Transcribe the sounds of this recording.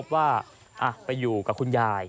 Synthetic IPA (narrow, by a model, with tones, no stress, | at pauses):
p̚waː˥˩ | ʔa˧˩pa˧jːuː˨˩ka˨˩kʰu˧njaː˧j